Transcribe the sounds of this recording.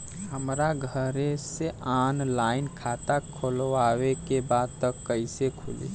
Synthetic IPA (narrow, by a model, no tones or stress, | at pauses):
həmɾaɡʱəɾeseaːnlaːɪnkʰaːt̪akʰoloawekebaːd̪̚t̪əkːəisekʰʊlḭː